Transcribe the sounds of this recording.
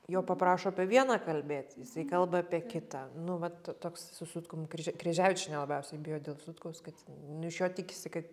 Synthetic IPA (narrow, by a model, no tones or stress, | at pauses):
joːpɐpɾɑːʃoːɐpʲiɛʋʲiɛnɑːkɐlʲbʲeːt̪jɪsɐɪkɐlˠbɐɑpʲiɛkʲɪt̪ɑːnʊʋɐtot̪oːkssʊsʊt̪kʊmkɾʲɛʒʲkɾʲɛʒʲæːʋʲɪt͡ʃʲʊnʲɛlˠɐbʲɛʊsʲɛɪbʲɪjoːd̪ʲeːlˠsʊt̪kɐʊskɐt̪nʊɪʃjoːt̪ʲɪkʲɪsʲɪkɐt̪